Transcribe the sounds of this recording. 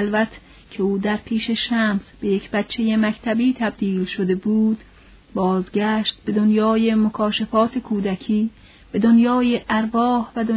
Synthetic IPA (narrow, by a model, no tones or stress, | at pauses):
lvæt̪ʰ | cʰe̞uːd̪æɾpʰiːʃe̞ʃæːmsb̥e̞je̞kʰbæt̪t͡ʃʰːe̞je̞mækt̪ʰæbiːt̪ʰæb̚d̪iːlʃod̪e̞buːd̪̥ | bɒːzɡæːʃt̪̚b̥e̞d̪onjɒːjemokʰɒːʃefɒːt̪ʰekʰuːd̪ækʰiː | b̥e̞d̪onjɒːjeʔæɾvɒːhvæd̪o